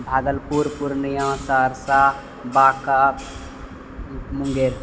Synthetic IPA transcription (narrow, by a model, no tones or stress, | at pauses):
bʱaːɡəlpuɾpuɾnəjãsaɾsa | baːka | muŋɡeɾ